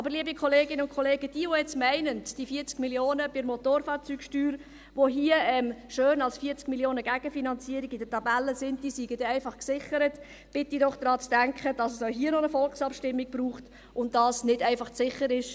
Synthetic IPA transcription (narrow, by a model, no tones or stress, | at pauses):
ʔɑbəɾliəbikʰɔleːɡɪnəʊnkχɔleːɡəd̥iːʋojɛt͡smɛɪnənd̥ifiːəɾt͡skmiljoːnəb̥ɪɾmɔtoːɾfɑːɾt͡syːkʃtyːɾ | ʋoɦiəɛmʃøːnɑlsfiəɾt͡skmiljoːnəɡæɡ̥əfinɑnt͡siːəɾiɡɪd̥ətɑbælːəsɪn̚d̥iːsiːɡ̥əd̥ɛæɪfɑχksɪχəɾət | b̥ɪtidɔχd̥̪ɾɑːt͡sd̥æŋkχəd̥ɑsəsoʊɦiːənɔnəfɔlksɑpʃtɪmːiɡ̚b̥ɾuːχt | ʊnd̥ɑːsnɪdɛɪfɑχt͡sɪχəɾɪʃ